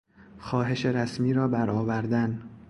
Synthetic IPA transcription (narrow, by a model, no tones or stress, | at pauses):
xɒːɦe̞ʃeɾæsmiːɾɒːbæɾɒːvæɾd̪æn